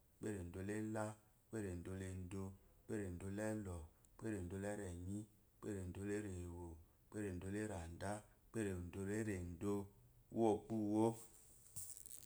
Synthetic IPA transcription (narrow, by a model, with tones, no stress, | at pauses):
k͡pe˦ɾe˨n̩˨do˨le˦la˦ | k͡pe˦ɾe˨n̩˨do˧le˨n̩˦do˧k͡pe˦ɾe˨n̩˨do˧˦lɛ˦lɔ˨˦ | k͡pe˦ɾe˨n̩˨do˨˦lɛ˦ɾɛ˨ɲi˦ | k͡pḛ˦ɾe˨n˨do˨˦le˦ɾe˨wo˨ | k͡pe˦ɾe˨n̩˨do˨˦le˦ɾa˨nda˦ | k͡pe˦ɾe˨n̩˨do˧le˦ɾe˨n̩˨do˦˧˦wo˦k͡pu˦wo˦